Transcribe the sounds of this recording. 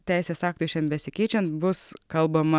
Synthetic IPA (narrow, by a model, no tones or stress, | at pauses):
t̪ʲɛɪsʲeːsɑːk̚t̪uːʃʲɛnbʲɛsʲɪkʲɛɪt͡ʃʲɛnt̪bʊskɐlˠbɐmɐ